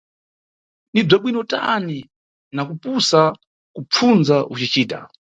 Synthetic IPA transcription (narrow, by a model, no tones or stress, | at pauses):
nib͡ʐaɓwinɔta̰ni | nakupusa | kup͡fʰunzaʔut͡ʃit͡ʃiːta̰